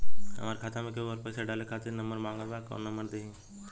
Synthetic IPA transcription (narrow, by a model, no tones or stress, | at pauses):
ə̰maːɾekʰaːt̪ʰãmẽkeəɾpəːseɖaːlekʰaːt̪ʰenɐməɾmãːŋɡabako̰nːɐməɾd̪eĩ